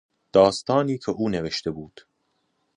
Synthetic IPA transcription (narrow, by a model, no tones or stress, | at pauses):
d̪̥ɒːst̪ɒːniːcʲʰeʔuːneveʃt̪e̞buːd̪̥